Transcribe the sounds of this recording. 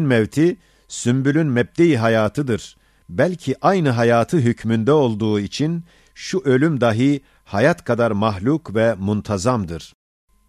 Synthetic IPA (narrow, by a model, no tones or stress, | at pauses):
nmɛvt̪ʰi | symbylʲynmɛb̚d̪ejiɦajaːt̪ʰɯd̪ɯɾ̥ | bælʲcʰiʔajnɯɦajaːt̪ʰɯɦycʰmynd̪ɛo̞lˠd̪uːit͡ʃʰin | ʃuʔø̞lʲymd̪aɦɯ | hajat̪kʰad̪aɾmaɦlʲukvɛmunt̪ʰazamd̪ɯɾ̥